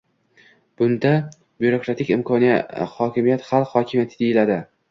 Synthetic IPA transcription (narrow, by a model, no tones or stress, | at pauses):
b̥ʊnd̪a | bjuɾo̞kɾat̪ʰɪkʲɪmkʰɒnija̰hɒkʲʰɪmijat̪χalˠqhɒkʲʰɪmjat̪ʰɪd̪ejɪlad̪ɪ